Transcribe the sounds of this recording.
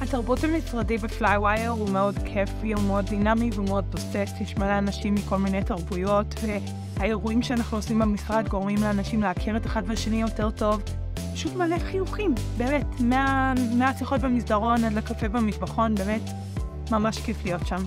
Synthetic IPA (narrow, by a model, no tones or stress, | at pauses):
hataʁbujuthamisʁadebeflajwajeʁumeo̞dkʰefiumeod̚ːinamiveumeo̞d̚postetjeʃmaleanaʃimːiko̞lminejtaʁbujo̞tve | haeʁuimʃeanaχnuosimbemisʁadɡo̞ʁmimleanaʃimleakʰeʁeteχadbeʃenijo̞te̞ʁto̞v | paʃutmaleχijuχimbeːmetmeameasiχo̞t̚bemisdaʁo̞nadlakafebemizbaχo̞nbeːmet | mamaʃkeflijo̞tʃam